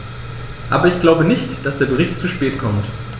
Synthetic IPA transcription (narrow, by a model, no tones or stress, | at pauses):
ʔa̰ːbɐɪçɡ̥laʊbənɪçtd̥asd̥eːɐɡəʁ̞ɪçtt͡suʃpɛːtkʰɔmt